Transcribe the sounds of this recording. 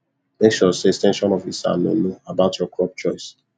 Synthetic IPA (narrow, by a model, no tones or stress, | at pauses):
mekʃɔsestɛ̃nʃɔ̃nɔfisa̰no̰noabaʊtʰjɔkɹɔp̚t͡ʃɔɪs